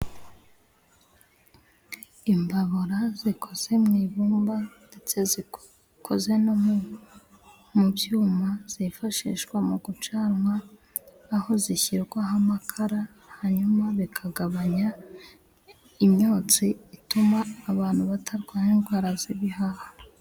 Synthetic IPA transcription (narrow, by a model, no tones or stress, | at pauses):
imbaβoɾazikʰo̞z̥e̞mŋiːβuːmbande̞t͡se̞zi | kʰo̞ze̞no | mubjuːmaz̥ifaʃḭːʃɡwamuɡut͡ʃaːɾŋwaː | ho̞ziçiɾɡwaɦamakʰaɾa | haɲumaβikʰaɡaβaɲa | imɲo̞ːt͡siitumaːβaːn̥huβatʰaɾɡwaniːnɡwaːɾaziβihaha